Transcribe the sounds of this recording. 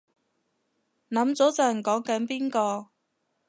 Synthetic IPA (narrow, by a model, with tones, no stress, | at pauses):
nɐ˨˥mt͡sɔː˨˥t͡sœː˨˩ŋkɔː˨˥ŋkɐ˨˥npiː˥nkɔː˧